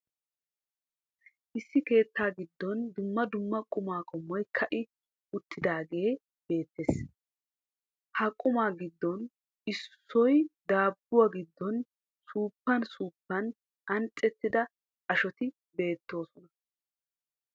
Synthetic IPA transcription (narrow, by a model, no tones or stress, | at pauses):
ʔɪsːɪke̞ːt̪ːaːɡɪd̪ːɔnd̪ʊmːɐd̪ʊmːɐkʼʊmaːkʼɔmːɔjkʰɐʔɪ | ʊt̪ːɪd̪aːɡe̞ː | b̥e̞ːt̪ːeːs | hɐkʼʊmaːɡɪd̪ːɔn | ɪsːɔjd̪aːbːʊwaɡɪd̪ːɔn | suːpːɐnsuːpːɐn | ɐnt͡sʼːɛt̪ːɪd̪ɐ | ɐʃɔt̪ɪ | be̞ːt̪ːo̞ːsɔnɐ